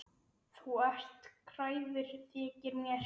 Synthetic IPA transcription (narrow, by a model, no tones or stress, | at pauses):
θuar̥t̪kʰɾaːjðɪɾ̥t̪ʰɛːcɪɾmjɛɾ